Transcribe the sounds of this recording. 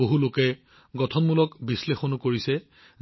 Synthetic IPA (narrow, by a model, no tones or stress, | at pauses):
oɦulokɛ | ɡɔtʰɔnmulɔkbislexonukoɹisɛ